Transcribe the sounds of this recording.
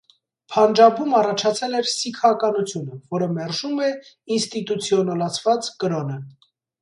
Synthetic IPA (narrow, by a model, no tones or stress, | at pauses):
pʰɑnd͡ʒɑbumɑrɑt͡ʃʰɑt͡sʰɛlɛɾsikʰɑkɑnut͡sʰjunəvɔɾəmɛɾʒumɛ | inst̪it̪ut͡sʰjɔnɑlɑt͡sʰvɑt͡skəɾɔnə